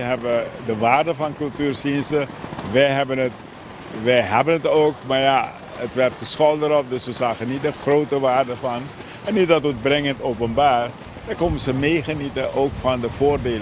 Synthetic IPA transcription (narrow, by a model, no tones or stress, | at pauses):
ɦɛbədəʋaːrdəfɑnkɵlˠtyːrsinsəʋɛjɦɛbənət | ʋɛjɦɛbənətoːkmaːɹja | ətʋɛrtχəsχɔlˠtdəɾɔp̚dɵsəzaːχənit̚dəχrowtəʋaːrdəfɑn | ɛnːit̚dɑtot̚brɛŋəntoːpənbaːr | dakomənzəmeːχənitəʔowkfɑndəfoːrdeːl